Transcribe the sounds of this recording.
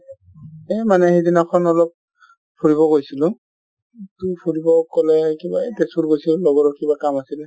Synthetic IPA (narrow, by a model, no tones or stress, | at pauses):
ɛmanɛxejdinakʰɔnɔlɔp̚ | pʰuɹibɔɡojsilʊ̃ | tupʰuɹibɔkɔlɛkibadesulɡojsillɔɡɔɹɔkibakamasil